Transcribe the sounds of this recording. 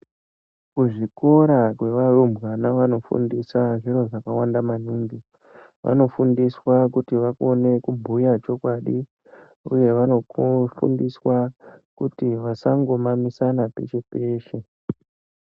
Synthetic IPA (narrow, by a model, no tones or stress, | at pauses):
kuʐiko̞ɾakwe̞ʋarumbɣanaʋano̞fṵndisaʐiɾo̞ʐakawandaman̤uːŋɡi | ʋa̰no̞fundiswakutiʋakone̞kubʱujat͡ʃo̞kwaɗi | uje̞ʋanofṵndiswakutiʋasaŋɡo̞mamisanape̞̰t͡ʃe̞pe̞ːʃe